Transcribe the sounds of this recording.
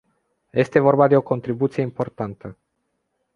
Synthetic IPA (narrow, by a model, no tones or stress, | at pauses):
je̞st̪e̞vo̞rbad̪e̞o̞ko̞nt̪ɾibut̪sije̞impo̞rt̪ant̪ə